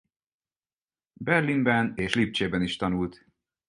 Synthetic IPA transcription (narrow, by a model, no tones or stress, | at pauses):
bɛrlimbɛneːʃlip̚t͡ʃeːbɛniʃt̪ɒnult̪